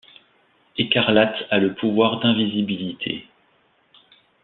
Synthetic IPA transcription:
ekaʁlat̪aləpʰuvwaʁd̪ɛ̃vizibilit̪ʰḛ

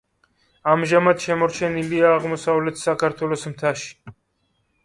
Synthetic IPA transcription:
amʒamad̪ʃɛmɔɾt͡ʃʰɛniliaːʁmɔsavlɛt̪ʰsakʰaɾt̪ʰwɛlɔsmt̪ʰaʃi̥

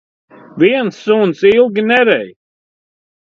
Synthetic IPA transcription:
viɛnsːunsilˠɡʲinɛɾɛj

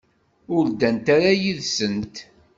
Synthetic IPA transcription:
ʊld̪ænt̪aɾajiðsənt̪

